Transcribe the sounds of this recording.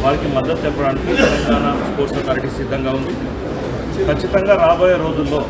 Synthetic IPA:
ʋaːɾikimɐd̪ːɐt̪ːɛpːɐɽaːnikit̪ɛlɐŋɡaːnaspoːɾsɐkaːɾiʈisid̪ʱːɐŋɡaːund̪i | kʰɐt͡ʃːit̪ɐŋɡaːɾaːboːjɐɾoːd͡ʒulːo̞ː

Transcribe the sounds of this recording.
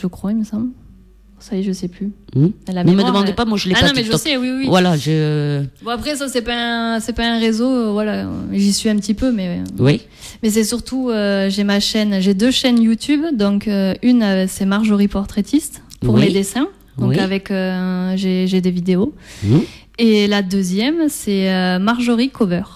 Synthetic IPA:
ʒəkχwaiməsɑ̃bl | sajeʒəsɛplyɛlamɛməd̪əəmɑ̃d̪pamwaʒəleanɔ̃mɛʒəsɛwiwwivwalaʒəbɔ̃apχɛs̬asɛpaɛ̃sɛpaɛ̃ʁezovwala̰ʒisɥiɛ̃pət̪ipømɛ̰wi | mɛs̬ɛsyʁt̪ʰuøʒemaʃɛnʒed̪øʃɛnjut̪ybd̪ɔ̃køynasɛmaʁʒoʁipɔʁt̪χet̪ʰist̪puʁmed̪esɛ̃ | d̪ɔ̃kavɛkøʒeʒed̪evid̪eo | elad̪øzjɛmsɛømaʁʒoʁikʰovœʁ

